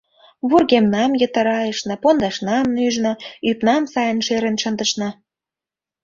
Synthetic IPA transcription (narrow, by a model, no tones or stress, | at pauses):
βurɣemnɑmjə̆t̪ə̆ɾɑjəʃnɤ̆pond̪ɑʃnɑmnyʒnɤ̆ypnɑmsɑjə̆nʃeɾenʃə̆nd̪əʃnɑ